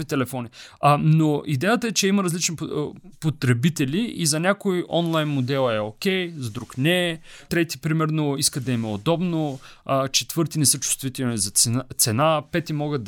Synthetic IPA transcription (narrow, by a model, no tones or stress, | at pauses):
it̪ɛlɛfɔninoid̪ɛjət̪əɛt͡ʃɛiməɾɐzlit͡ʃnipot̪ɾɛbit̪ɛlʲiizɐnʲakojʔɔnlˠajnmod̪ɛlˠɛokʲɛjzɐd̪ɾuknɛt̪ɾɛt̪i̥pɾimɛɾnoiskəd̪ɐimɛod̪ɔbno | t͡ʃɛt̪v̥ɤɾt̪inɛsɤt͡ʃu̥st̪vit̪ɛlˠnʲizɐt̪sɛnapɛt̪imɔɡəd̪